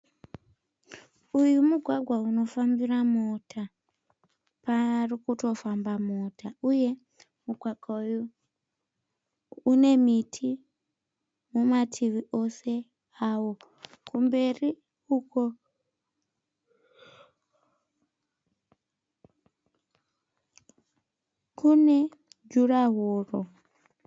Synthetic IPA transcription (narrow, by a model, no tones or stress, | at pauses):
ujumuɡʱwaɡʱwauno̞fambiramotʰa | parikuto̞fambamotauje̞ | muɡʱwaɡʱauju | ne̞mitʰi | mumatʰiʋiʔo̞se̞ | awo̞ | kumbe̞ri | uko | kune̞ | d͡ʒuraɦoːro